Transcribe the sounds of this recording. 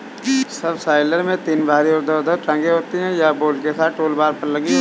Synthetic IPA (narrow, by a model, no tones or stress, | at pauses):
sɐbsaːɪləɾmẽt̪iːnbʱaːɾiɔɾd̪əʊd̪əɾʈə̃ŋɡeɦoːt̪iɦɛ̃jaboːlkesaːt̪ʈoːlbaːɾpɐɾlɐɡi